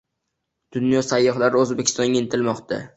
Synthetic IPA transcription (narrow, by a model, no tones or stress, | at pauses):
d̪̥ʊnjɒsajːɒχlaɾɪɵzbekʲʰɪ̥st̪ɒnɡʲaent̪ʰɪlmɒqt̪ʰa̰